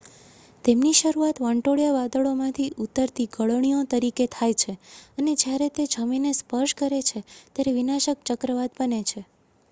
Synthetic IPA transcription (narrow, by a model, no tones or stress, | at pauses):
t̪emniʃəɾuat̪ʋə̃ɳʈoɭjaʋad̪əɭomãt̪ʰiʔut̪əɾt̪iɡʱəɭəɳ̃ijot̪əɾiket̪ʰajt͡ʃʰeəned͡ʒjaɾet̪ed͡ʒʱəminespəɾʃkəɾet͡ʃʰet̪jaɾeʋinaʃəkt͡ʃəkɾəʋad̪bənet͡ʃʰe